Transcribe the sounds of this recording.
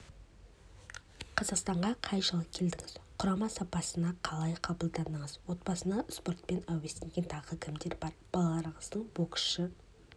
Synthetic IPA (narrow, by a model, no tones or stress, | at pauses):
qʰɑzɑqst̪ɑɴʁɑqʰɑjʃəlˠəp̚kʲʰe̞ld̪ɪŋɪz̥qʰʊɾɑmɑsɑpɑsənɑqʰɑlˠɑjqʰɑbəlˠd̪ɑnəɴəzwo̞t̪bɑsənɑspo̞rt̪̚pe̞næwest̪eŋɡʲe̞nt̪ʰɑʁəkʲʰɪmd̪e̞ɾbɑɾb̥ɑlˠɑlˠɑɾəɴəzd̪əɴboksʃə